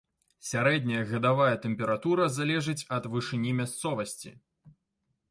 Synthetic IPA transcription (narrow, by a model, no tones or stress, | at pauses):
sʲaɾɛd̪nʲɐjɐɣɐd̪avajɐt̪ɛmpʲɛɾat̪uɾɐzalʲɛʐɨt͡sʲɐd̪vɨʂɨnʲimʲast̪sɔvɐsʲt͡sʲḭ